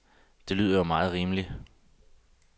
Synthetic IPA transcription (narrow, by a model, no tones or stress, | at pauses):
d̥e̝ly̰ːð̰ˠɐjomɑ̈ːð̞̩ˠʁiːmli